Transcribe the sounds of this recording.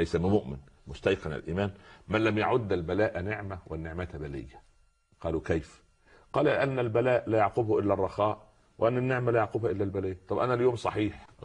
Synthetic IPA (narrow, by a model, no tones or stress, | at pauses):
læjsæmɪmʊʔmɪnmʊst̪æjqɑnæ̰lʔḭːmæːnmænlæmjaʕʊd̪ːælbælæːʔnɪʕmæwɪnːɪʕmæːt̪bælɪ̰jːæ | qɑːlukæjf | qɑːlulɪʔænːælbælæːʔlæːjɑʕqʊbhʔɪlːærˤːɑxɑːʔ | wʔænːænːɪʕmælæːjɑʕqʊbhæʔɪlːælbælɪjt̪ˤɑbʔænæljoːmsˤɑħiːħ